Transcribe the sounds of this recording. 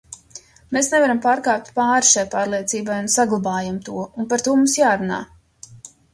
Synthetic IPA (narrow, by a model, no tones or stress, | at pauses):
meːsnɛvaɾampaːɾkaːp̚t̪ʲpaːɾʃajpaːɾlˠiɛt̪siːbajunsaɡlˠabaːjamt̪uɔunpaɾt̪uɔmumsjaːɾuna̰ː